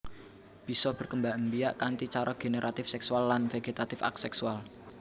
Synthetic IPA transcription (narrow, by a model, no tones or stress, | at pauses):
b̥i̤sɔb̥ə̤rkəmbaʔmbiaʔkant̪it͡ʃaɾɔɡ̥e̤neɾʔat̪ɪfsɛksualːanfeɡ̥et̪at̪ɪfa̰ksɛksual